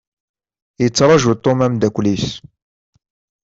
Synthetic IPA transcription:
jət͡sːɾˤɑʒut̪ˤːomæmd̪ækʷlis

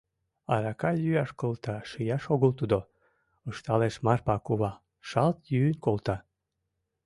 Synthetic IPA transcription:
ɑɾɑkɑjyɑʃkolt̪ɑʃijɑʃoɣəlt̪ud̪o | əʃt̪ɑleʃmɑrpɑkuβɑ | ʃɑlt̪jyːnʲkolt̪ɑ

